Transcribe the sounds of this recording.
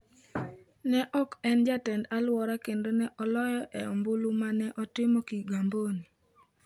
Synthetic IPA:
nɛʔɔkɛnd͡ʒatɛndalwɔɾakendonɛʔɔlɔjɔʔɛɔ̰mbʊlumanɛʔɔtɪmɔkiɡamboni

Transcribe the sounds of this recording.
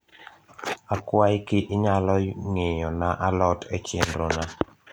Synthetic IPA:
akwajkɪʔɪɲalɔŋeɲɔnaʔalɔtet͡ʃjenɾona

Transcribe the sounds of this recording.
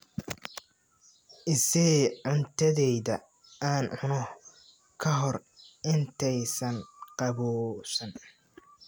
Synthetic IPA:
ʔɪsɛʕʊnt̪ʰɐðɛjðɐ | aːnʕʊnɔh | kʰɐɦɔrʔɪnt̪ʰɛjsɐnqɑβɔːsɐn

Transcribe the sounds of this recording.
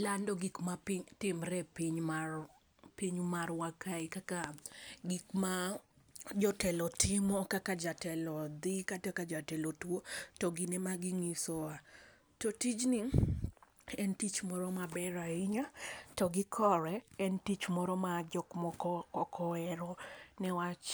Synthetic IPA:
landɔɡikmapiɲtɪmɾɛpiɲmar | piɲmarwakaikakaɡikma | d͡ʒɔtɛlɔtʰɪmɔkakad͡ʒatɛlɔd̪ikatakad͡ʒatɛlɔtwotɔɡinɛmaɡɪŋisɔa | totit͡ʃni | ɛntit͡ʃmɔɾɔmabɛɾaɪɲatɔɡikʰɔɾɛɛntit͡ʃmɔɾɔmad͡ʒɔkmɔkɔkɔkʰɔɛɾɔnɛwat͡ʃ

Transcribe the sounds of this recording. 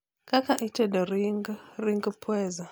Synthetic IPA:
kakaʔitɛdɔɾiŋɡɾiŋɡpʰwɛza

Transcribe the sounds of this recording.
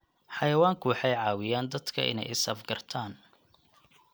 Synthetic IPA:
ħɑjɐwaːŋkʰʊwɑħɑjʕɑːwɪjaːnd̪ɐd̪kʰɐ̰ʔɪ̰nɛ̰jɪsɐfɡɐrt̪ʰaːn

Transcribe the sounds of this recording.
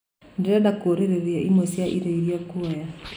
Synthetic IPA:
ndeɛdakoɾeɾeðeaʔimosjaʔiɾeiɾiakuɛja

